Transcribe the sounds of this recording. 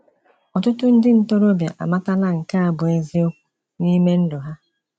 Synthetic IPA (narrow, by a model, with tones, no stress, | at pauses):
ɔ˨tʊ˦tʊ˦n̩˦dɪ˦n̩˦to˦ɾo˦bja̰˨ʔa̰˨ma˦ta˦la˦ŋ̩˨ka˦a˨bʊ˨e˦zi˦o˦kʷu˦ | ni˦me˦n̩˦dʊ˨ɦa˦